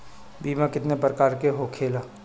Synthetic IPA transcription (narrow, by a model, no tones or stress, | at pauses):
biːmãkɪt̪nepɾəkaːɾkeɦoːkʰeːlaː